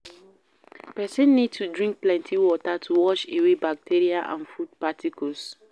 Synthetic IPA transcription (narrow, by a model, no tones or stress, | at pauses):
pɛsɛ̃nːid̚tudɹĩŋk̚plɛ̃ntʰiwɔtatʰuwɔʃewebak̚tʰeɹiaʔã̰nfud̚patʰikʰɔls